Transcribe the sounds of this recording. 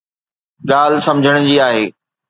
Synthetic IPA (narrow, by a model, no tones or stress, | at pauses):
ɠaːlsɐ̃md͡ʑʱəɽ̃ʊd͡ʑiːaːɦeː